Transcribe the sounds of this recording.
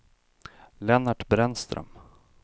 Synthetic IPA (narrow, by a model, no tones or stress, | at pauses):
lɛnaʈbɾɛnst̪ɾœ̰m